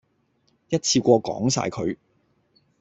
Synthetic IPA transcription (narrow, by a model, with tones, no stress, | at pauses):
jɐ˥t̚t͡sʰiː˧kʷɔː˧kɔ̰ː˨˥ŋsa̰ː˧jkʰɵ˨˧ɥ